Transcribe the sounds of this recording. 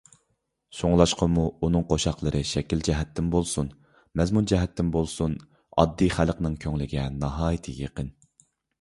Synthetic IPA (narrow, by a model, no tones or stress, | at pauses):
soŋlˠɑʃqʰɑmuunɨŋqʰoʃɑqlˠəɾɨʃɛkʲild͡ʒɛɦɛt̪ʰːɪmbolˠsun | mɛzmund͡ʒɛɦɛt̪ʰːɪmbolˠsun | ɑ̰d̪ːijχælqnɨŋkʲʰøŋlɪɡʲɛnɑɦɑːjit̪ʰɨjeqən